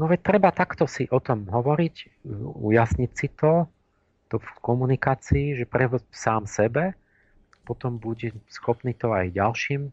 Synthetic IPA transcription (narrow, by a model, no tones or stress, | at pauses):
nɔʋɛct̪ɾɛbat̪akt̪ɔsiʔɔt̪ɔmɦɔʋɔɾic | ṵjasɲicsit̪ɔ | t̪ɔfkɔmunikaːt͡siːʒɛpɾɛʋɔsaːmsɛbɛ | pɔt̪ɔmbuɟɛsxɔpniːt̪ɔajɟalʃiːm